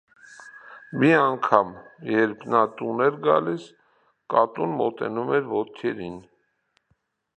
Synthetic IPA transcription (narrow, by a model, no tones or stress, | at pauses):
miɑŋkʰɑmjɛɾpʰnɑt̪unɛɾɡɑ̰lis | kɑt̪unmɔt̪ɛ̰numɛɾvɔt̪̚kʰɛɾin